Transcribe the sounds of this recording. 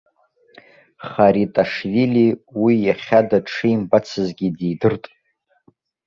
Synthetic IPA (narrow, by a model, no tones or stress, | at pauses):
χaɾitʼaʂviliwijaχʲadaʈ͡ʂʰɨjimbat͡sʰɨzɡʲidejdɨrtʼ